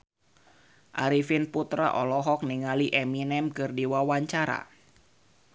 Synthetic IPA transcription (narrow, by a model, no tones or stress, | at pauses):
ʔaɾifinput̪ɾa̰ʔɔlɔɦɔk̚niŋaliʔɛminɛmkɨrdiwawaɲt͡ʃaɾa̰